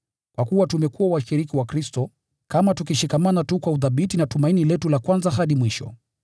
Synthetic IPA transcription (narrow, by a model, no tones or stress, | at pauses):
kwakuwatumɛkuwawaʃiɾikiwakɾistɔ | kamatukiʃikamanatukwauðaɓitinatumainilɛtulakwanzaɦaɗimwiʃɔ̰